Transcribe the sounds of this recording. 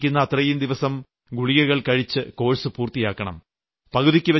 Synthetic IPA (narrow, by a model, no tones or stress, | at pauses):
kʲːunːɐːt̪rɐjumd̪iʋɐsɐm | ɡuɭijɐɣɐɭkɐɻit͡ɕːɨko̞ːɻsɨpuːrt̪ijaːkːɐɳɐ̰m | pɐkuðikʲːɨʋɐ